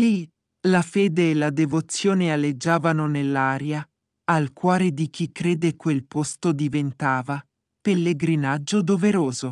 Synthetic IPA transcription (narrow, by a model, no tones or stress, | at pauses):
li | lafeːd̪eːlad̪evot̪sːjoːnealːed͡ʒːaːvanonelːaːɾjaː | lkwɔːɾed̪ik̟ikːɾeːd̪ekwelpost̪od̪ivent̪aːva | pelːeɡɾinad͡ʒːod̪oveɾoːzo